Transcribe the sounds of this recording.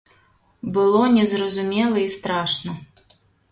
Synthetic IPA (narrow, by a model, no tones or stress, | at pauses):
bɨlˠɔnʲɛzɾɐzumʲɛlˠɐist̪ɾaʂnɐ